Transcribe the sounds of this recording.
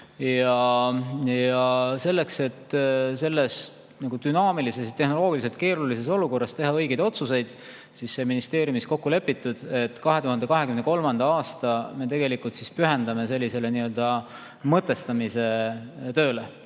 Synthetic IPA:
jɑ | jɑse̞lːe̞kse̞t̪se̞lːe̞s | nɑɡ̥ud̪̥ynɑːmilise̞s̬jɑt̪e̞hno̞lo̞ːɡiliselt̪̚ke̞ːɾulise̞so̞luko̞rːɑst̪e̞ɦɑɤ̞jɡed̪o̞t̪suse̞jd̪̥ | sisːe̞ːminist̪e̞ːɾjumisko̞kːule̞pːit̪ːˑud̪̥e̞t̪ːˑkɑɦe̞t̪uhɑnd̪ekɑɦe̞kymneko̞lmɑnd̪̥ɑɑːst̪ɑme̞t̪e̞ɡe̞likːˑult̪sispyɦe̞nd̪̥ɑme̞se̞lʲːise̞le̞niø̞ld̪̥ɑ | mɤt̪ːˑe̞st̪ɑmise̞t̪ø̞ːle

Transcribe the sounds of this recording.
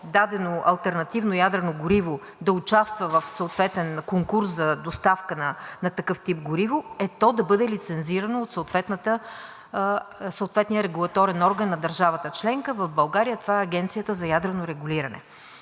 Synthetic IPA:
d̪ad̪ɛnoʔɐ̰lˠt̪ɛɾnɐt̪ivnojad̪ɾɛnoɡʊɾivo | d̪ɐʊt͡ʃast̪vəvɐfsɐot̪vɛt̪ɛnkoŋkuɾszɐd̪ost̪afkənɐnɐt̪ɐkɤft̪ip̚ɡʊɾivoɛt̪ɔd̪ɐbɤd̪ɛlit̪sɛnziɾɐnoːt̪səot̪vɛt̪nət̪ə | soːt̪vɛt̪nijəɾɛɡulˠɐt̪ɔɾɛnɔɾɡənːɐd̪ɐɾʒavət̪ət͡ʃlɛŋkəvɐvbɐlˠɡaɾijət̪ovaɛɐɡɛnt̪sijət̪əzɐjad̪ɾɛnoɾɛɡuliɾɐnɛ̰

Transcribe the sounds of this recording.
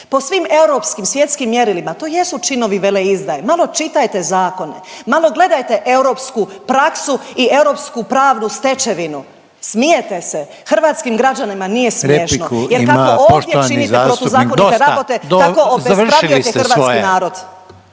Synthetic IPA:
posʋime̞uɾo̞pskimsʋje̞t̪skimːjeɾilimat̪o̞ːje̞sut͡ʃino̞ʋiʋe̞leizd̪ajemalˠo̞t͡ʃit̪ajt̪e̞zaːko̞ne̞̰malˠo̞ɡle̞d̪ajt̪e̞ʔe̞uɾo̞ːpskupɾaksuie̞wɾo̞ːpskupɾaːʋnust̪e̞t͡ʃe̞ʋinu | smijet̪e̞se̞ | xrʋaːt̪skimɡɾad͡ʑanimanije̞smeʃnojeɾkakooːʃd̪jet͡ʃinieɾot̪uzaːkonit̪eɾabot̪ed̪akoozbepɾaueit̪er̩ʋaːkinaːɾo̞d̪

